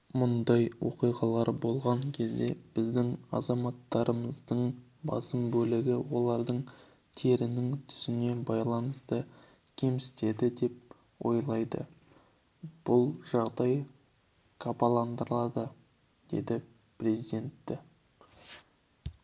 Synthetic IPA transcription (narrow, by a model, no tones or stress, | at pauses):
mʊnd̪ɑjwo̞qijʁɑlˠɑɾbo̞lˠʁɑŋkʲʰe̞zd̪e̞b̥ɪzd̪ɪŋɑ̰zɑmɑt̪ːɑɾəməzd̪əɴ | bɑ̰səmbɵlɪɡʲɪwo̞lˠɑɾd̪əɴ | t̪ʰe̞ɾɪnɪŋt̪ʰʏ̥zɪne̞bɑjlˠɑnəst̪ə | kʲʰe̞msɪ̥t̪e̞d̪ɪd̪e̞p̚ | wo̞̰jlˠɑjd̪ə̰ | b̥ʊlˠʒɑʁd̪ɑj | kʰapalˠɑnd̪əɾlˠɑd̪ə | d̪̥e̞̰d̪ɪ | prʲe̞zid̪e̞nt̪ːɪ